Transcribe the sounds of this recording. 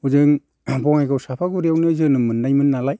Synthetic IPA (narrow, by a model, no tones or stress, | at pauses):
uzɯŋ | bɔŋajkʰawsapʰaɡuɾijawnizɯnɯmɯnːajmɯnːalaj